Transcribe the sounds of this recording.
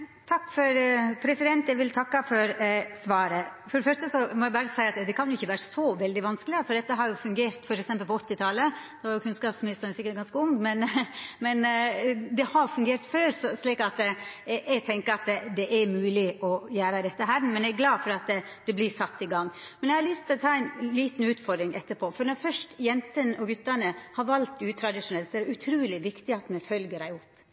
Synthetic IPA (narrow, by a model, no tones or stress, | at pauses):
t̪ʰɑkːfɔɾpʰɾɛsɪd̪ɛnt̪jæʋɪlt̪ʰɑkːɑfɔɾsʋɑːɾəfɔɾɛfœʂʈəsɔmɔæɪbɑːɾəsæɪɑt̪d̪ɛkʰɑnjʊɪçːəʋæːɾəsɔʋɛld̪ɪʋɑnskəlɪəfɔɖ̪ɛt̪ːəɦɑɾjʊfʉŋɡeːɾt̪fɔɾɛksɛmpəlpɔɔt̪ːɪt̪ʰɑləd̪ɛʋɑɾjʊkʰʉnskɑːpsmɪnɪst̪əɾənsɪkːəɾɡɑnskəʊŋmɛnmɛnd̪ɛhɑfʉŋɡeːɾt̪føːɾssliːkɑt̪ | ɛɡt̪ʰɛŋkəɾɑt̪d̪ɛʔæɾmʉːlɪʔɔjæːɾəd̪ɛt̪ːəɦæɾmɛnjæɡlɑːfɔɾɑt̪ | d̪̥ɛblɪʂɑt̪ːɪɡɑŋːmɛnjæɪhɑlʏst̪ʰɪlɔt̪ʰɑːɛɪnliːt̪n̩ʉːt̪fɔɾd̪ɾɪŋʔɛt̪ːəpʰoːfɔɾnɔfœʂʈjɛnt̪ənɔɡʉt̪ːəɳəhɑɾʋɑlt̪ʉːt̪ʰɾɑd̪ɪʂʊnɛlt̪sɔæʉt̪ʰɾʉːlɪʋɪkt̪ɪɑt̪mɛɪfœlɡəɾæɪʊpː